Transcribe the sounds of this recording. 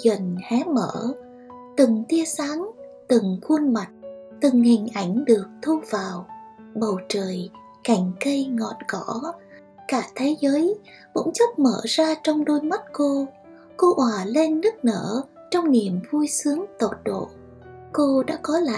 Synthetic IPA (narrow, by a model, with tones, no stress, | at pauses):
zə˨˩nhɛ˨˦mə̰ː˧˩ | t̪ɨ˨˩ŋt̪i˧əsaː˨˦ŋt̪ɨ˨˩ŋku˧ənma˨˩t̚t̪ɨ˨˩ŋhï˨˩ŋ̟ʔa˧˩jŋ̟ɗɨ˨˩ək̚t̪ʰu˧v̥aː˨˩wɓə˨˩wt͡ɕəː˨˩j | ka˧˩jŋ̟kə˧jŋɔ̰˧˨˩nkɔ˧˩˦ | kaː˧˩t̪ʰe˨˦zəː˨˦j | vʊ̰˧˥nt͡ɕə˦˥p̚mə̰ː˧˩zaː˧t͡ɕɔ˧wŋ͡mɗo˧jma˦˥t̚ko˧ | ko˧ʔwaː˨˩le˧nːɨ˦˥k̚nə̰ː˧˩ | t͡ɕɔ˧wŋ͡mni˨˩əmvu˧jsɨ˨˦əŋt̪o˨˩t̚ɗo̰˧˨ | ko˧ɗa̰ː˧˥kɔ˨˦la̰ː˧